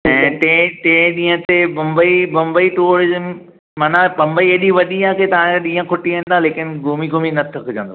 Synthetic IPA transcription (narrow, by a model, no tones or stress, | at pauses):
ɛ̃ːʈẽːʈẽːɗĩːɦə̃t̪emɐ̃mbəimɐ̃mbəiʈuːɾɪzəm | maːnapɐ̃mbəiɐɗiʋɐɗiaːkʰet̪ɐʋãɗĩːə̃kʰʊʈiʋãːnd̪ãleːkɪnɪɡuːmiɡoːminɐt̪ʰəkʰd͡ʑɐ̰̃nd̪o